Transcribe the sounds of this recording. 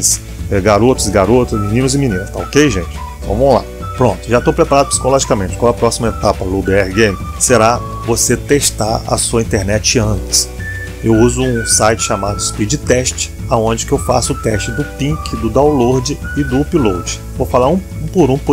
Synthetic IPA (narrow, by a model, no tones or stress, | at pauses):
s | ɛɡaɾot̪ʊszɡaɾot̪ɐszmĩnĩnʊzɪminĩnɐst̪a̰okejʒḛ̃t͡ʃɪ̥ | vɐ̰̃mõw̃la̰ | pɾõt̪ʊʒat̪owpɾepaɾad̪ʊpsi̥kolɔʒikɐmẽt͡ʃɪ̥kõɐpɾɔsimɐet̪apɐlubeɛhɡẽmseɾa | voset̪eʃt̪aɾɐ̰suɐĩt̪eɾnɛt͡ʃɪɐ̃nt̪ɪ̥s | ewuzʊũsajt͡ʃɪ̥ʃamad̪ʊspid͡ʒɪt̪ɛʃt͡ʃɪ̥aõd͡ʒɪkɪewfa̰sʊʊt̪ɛʃt͡ʃɪd̪ʊpĩkɪd̪ʊd̪aw̃loɾd͡ʒɪɪd̪ʊpilowd͡ʒɪ̥ | vofalaɾũũpʊɾũp